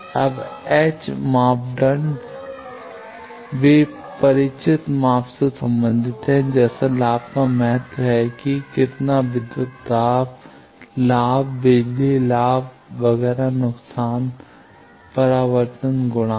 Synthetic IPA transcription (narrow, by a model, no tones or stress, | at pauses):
ɐ̰bɛːt͡ʃmaːpɖən | ʋi | pɐɾɪt͡ʃɪt̪maːfsesɐ̃mbə̃nd̪ʱɪt̪ɦɛ̃d͡ʒɛːsãlaːbkãmɛɦət̪ɦɛkikɪt̪nabɪd̪ət̪ːaːb | laːbbeːlilaːb | ʋɐɣɛːɾanʊksaːn | pɐɾaːʋəɾt̪ənɡʊɽ̃aː